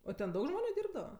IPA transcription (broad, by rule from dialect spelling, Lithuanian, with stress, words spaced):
oː tʲɛn ˈdɐʊk ˈʒmoːnʲʊ ˈdʲiːrbdɐʋɐ